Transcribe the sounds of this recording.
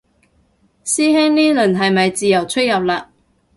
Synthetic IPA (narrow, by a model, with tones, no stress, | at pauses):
siː˥ɦe˥ŋniː˥lɵ˨˩nɦɐ˨jmɐ˨jt͡siː˨jɐ˨˩wt͡ʃʰɵ˥t̚jɐ˨p̚laː˧